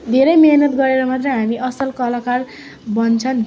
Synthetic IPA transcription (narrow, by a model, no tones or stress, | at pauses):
d̪ʱeɾʌjmeɦnʌt̪ɡʌɾeɾʌmat̪rejɦamiʔʌsʌlkʌlakar | bʌnt͡sʰʌn